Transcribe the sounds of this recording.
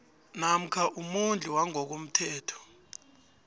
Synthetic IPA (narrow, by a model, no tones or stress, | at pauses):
nam̩kʰaʔumund͡ɮʱʼuwaŋok̬um̩tʰɛːtʰɔ̥